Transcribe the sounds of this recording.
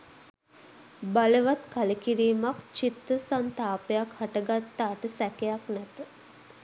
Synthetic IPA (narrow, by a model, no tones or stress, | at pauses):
baləʋat̪kaləkiɾiːmakt͡ʃit̪ɾəsant̪aːpejakhaʈəɡat̪ːaːʈəsækejaknæt̪ə